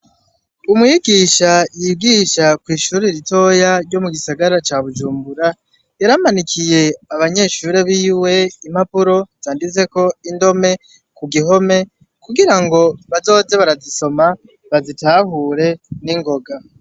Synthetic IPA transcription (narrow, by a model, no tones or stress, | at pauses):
umŋiɡiʃajiɡiːʃakwiːʃuːɾeɾito̞jaɾɟo̞muɡisaɡaɾat͡ʃaːβud͡ʒuːmbuɾa | jaɾamanikʰije̞aβaɲe̞ʃuːɾe̞βiːwe̞im̥hapuɾo̞z̥aːndize̞ko̞indo̞me̞ | kuɡiɦo̞me̞ | kuɡiɾaŋɡo̞βazo̞ːze̞βaɾaziso̞ma | βazitaːhuːɾe̞niŋɡo̞ɡa